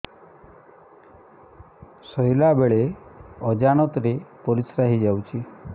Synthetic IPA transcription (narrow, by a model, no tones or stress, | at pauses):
sɔjlabeɭeɔd͡ʒaɽ̃ɔt̪ɾepɔɾisɾaɦid͡ʒawt͡ʃʰi